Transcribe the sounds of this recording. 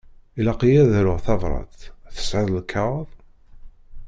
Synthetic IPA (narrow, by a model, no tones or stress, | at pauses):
ilɑqijæðɾʊʁθɑvɾˤɑ̰d̪θə̥sʕɪðˤəlkʰːɑʁðˤ